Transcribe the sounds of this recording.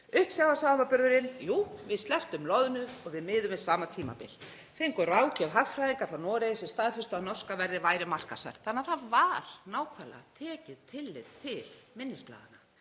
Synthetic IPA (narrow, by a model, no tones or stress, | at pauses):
ʏhp̪sjaːwvasaːmapʏɾðʏɾɪnjuːvɪðst̪ɛft̪ʏmlɔðʏnʏɔɣvɪðmɪːðʏmɪsaːmat̪ʰiːma̰pɪ̰l | θeŋkɔɾaːwcɛvɦaffɾajðiŋkaɾ̥fɾawnɔːɾejsɛst̪aːðfʏst̪ʏanɔ̥skavɛɾðɪvaːjɾɪmar̥kasa̰ɾ̥θanːaðθaðvaɾ̥naːwkʰvala̰t̪ʰɛːcɪðt̪ʰɪlːɪ̰ðt̪ʰɪlmɪnːɪspla̰ːðana